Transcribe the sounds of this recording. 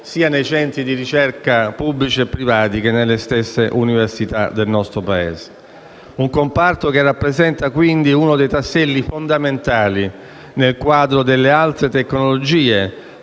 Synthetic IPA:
siːanejt͡ʃɛnt̪ɾid̪iɾit͡ʃɛrkapubːlit͡ʃiepːɾivaːt̪ikenːelːest̪esːeʔuniversit̪a̰d̪elnɔst̪ɾopaḛːse̥ | uŋkompart̪okerːapːɾezɛnt̪akwind̪iunod̪ejt̪asːɛlːifond̪ament̪aːli | nelkwaːd̪ɾod̪elːealt̪ɾet̪ekːnolod͡ʒiːe

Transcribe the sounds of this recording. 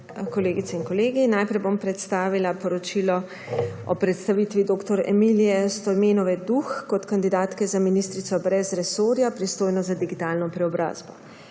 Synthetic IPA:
kɔleːɡit̪sɛinkɔleːɡinajpɾɛjbompɾɛt̪st̪aːʋilapɔɾɔt͡ʃilɔ | ɔpɾɛt̪st̪aʋit̪ʋid̪oːkt̪ɔɾɛ̰milijɛst̪ɔjmeːnɔʋɛd̪uxkɔt̪kand̪id̪aːt̪kɛzaminist̪ɾit̪sɔbɾɛzɾɛsoːɾjapɾist̪oːjnɔzad̪iɡit̪aːlnɔpɾɛɔbɾa̰ːzbɔ

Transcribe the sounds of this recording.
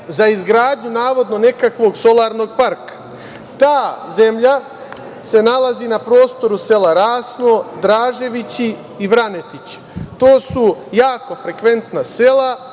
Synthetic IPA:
zaizɡɾaːd̪ɲunaːʋo̞d̪no̞ne̞kakʋo̞ːɡso̞lˠaːɾno̞ːɡ̚paɾkḁ | t̪aːze̞mʎa | se̞nalˠazinapɾo̞ːst̪o̞ɾuse̞laɾaːsnoːd̪ɾaːʒe̞ʋit͡ɕiː | ʋɾane̞t̪it͡ɕi̥t̪o̞ːsujaːko̞fɾe̞kʋe̞nt̪nasela

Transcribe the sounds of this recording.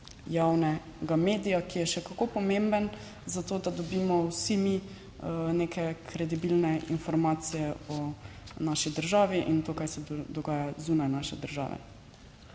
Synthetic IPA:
jawnɛ | ɡameːd̪ijakijɛʃɛkakopɔmembən | zat̪oːd̪ad̪ɔbiːmɔwsimi | nekʰɛkʰɾɛd̪ibilnɛinfɔɾmaːsijɛɔnaʃid̪əɾʒaːʋiʔint̪oːkajsɛd̪ɔɡaːjazuːnajnaːʃɛd̪əɾʒa̰ːʋɛ̰

